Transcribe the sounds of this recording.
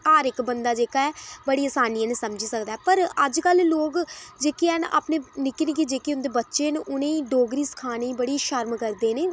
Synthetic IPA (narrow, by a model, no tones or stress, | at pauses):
aːɾɪkbənd̪aːd͡ʒeːkaːɛːbəɽiːəːsaːniɛːnesəmd͡ʒiːsəkd̪aːɛːpəɾəd͡ʒkəlloːkd͡ʒeːkeɛːna̰ːpneːnɪkɪnkid͡ʒeːkeːʊnd̪eːbətːʃeːnʔʊnẽiɖoːɡɾiːsə̥kʰaːneːiːbəɽiːʃəɾmkəɾd̪eːneː